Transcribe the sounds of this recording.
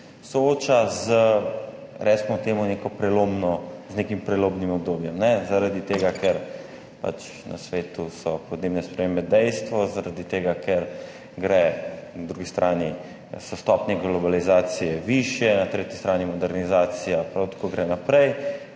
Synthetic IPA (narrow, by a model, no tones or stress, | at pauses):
sɔoːt͡ʃazə | ɾɛsmɔt̪eːmɔnekɔpɾɛlobnɔznekimpɾɛloːbnimɔbd̪oːbjɛmnɛzaɾad̪it̪eːɡakɛɾ | pa̰t͡ʃ | na̰sʋeːt̪usɔpɔd̪neːbnɛspɾɛmeːmbɛd̪ɛjst̪ʋɔzaɾad̪it̪eːɡakʰɛɾ | ɡɾɛnad̪ɾuɡist̪ɾʔaːni | sɔst̪ɔpnɛɡlɔbalizaːt̪sijɛʋiʃjɛnat̪ɾeːt̪jist̪ɾaːnimɔd̪ɛɾnizaːt̪sijapɾawt̪ḁkoɡɾɛnapɾɛj